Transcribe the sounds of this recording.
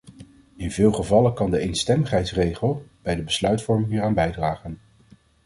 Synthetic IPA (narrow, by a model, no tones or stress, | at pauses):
ɪnvɪːlˠχəvɑləkɑndəejnstɛməχɦɛjtsrejχəlˠb̥ɛjdəbəslœɥtfɔɹmɪŋɦiːraːnbɛjdraːχən